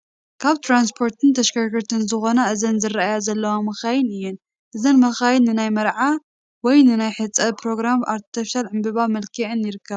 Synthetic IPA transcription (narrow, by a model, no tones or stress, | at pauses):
kʰaβt̪ʰɾans̬pʰo̞ɾt̪ʰɨnt̪ʰɐʃkaɡɨɾt̪ʰɨnzɨxo̞naʔɨzɐnzɨraajazɐlːɐwamɐxajɨnɨjːɛn | ʔɨzɐnmɐxajnːɨnajmɐɾʕa | wɔjnɨnajħɨt͡sʼːɐpʰɾo̞ɡɾama̰ɾt̪ʰi̥t̪ʰɐfʃalʕɨmbɨβamɐlkʰiʕɨnjɪɾɨkːɐβ